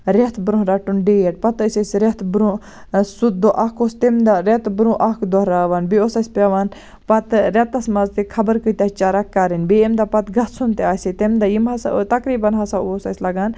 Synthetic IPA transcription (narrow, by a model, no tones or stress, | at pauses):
ɾet̪ʰbɾũɦɾɐʈːunɖejeʈ̚pɐt̪əsɐsɾet̪ʰbɾũ | sud̪̚oʔakost̪emd̪aɾet̪bɾũʔakd̪oɦɾaʋaːnbiosɐsʲpeʋan | pɐt̪ɾet̪ɐsmɐzt̪ikʰɐbəɾkət̪ʲat͡ʃaɾɐkːaɾinbeemd̪apɐt̪ɡɐt̪sunt̪eaːsit̪emd̪ajimɦɐsa̰t̪ɐkɾiːbɐnɦɐsaosɐsʲlɐɡaːn